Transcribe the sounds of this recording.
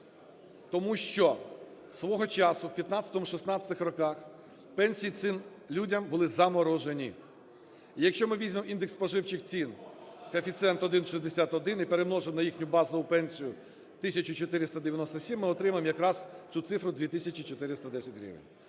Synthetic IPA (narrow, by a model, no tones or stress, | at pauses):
t̪ɔmuʃt͡ʃɔ | sʋɔɦɔt͡ʃɑsʊwpʲjɐt̪nɑt̪t͡sʲɐ̥t̪ɔmʊʃisnɑt͡sʲɐ̥t̪ɪxrɔkɑx | pɛnʲsʲijit̪sɪn | lʲudʲɐmbʊlˠɪzɐmɔɾɔʒenʲi | ijɐkʃt͡ʃɔmɪʋʲizʲmemind̪ekspɔʒɪwt͡ʃɪxt͡sʲinkɐfʲit̪sɛnt̪ɔd̪ɪnʃizd̪esʲat̪ɔd̪ɪnipeɾemnɔʒemnɐjixnʲʊbɑzɐʊpɛnʲsʲijʊ | t̪ɪsʲɐt͡ʃʊt͡ʃɔt̪ɪɾɪst̪ɐd̪eʋʲjɐnɔst̪ɔsʲimːɪɔt̪ɾɪmɐemjɐkɾɑzt͡sʲut̪sɪfɾʊd̪ʲʋʲit̪ɪsʲɐt͡ʃʲit͡ʃɔt̪ɪɾɪst̪ɐd̪ɛsʲɐtʲɾʲḭʋḛnʲ